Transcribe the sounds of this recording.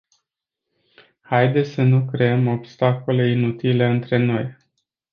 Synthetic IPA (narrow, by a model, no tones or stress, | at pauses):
hajd̪e̞sʲsənukɾe̞əmo̞bst̪ako̞le̞inut̪ile̞ɨnt̪ɾe̞no̞j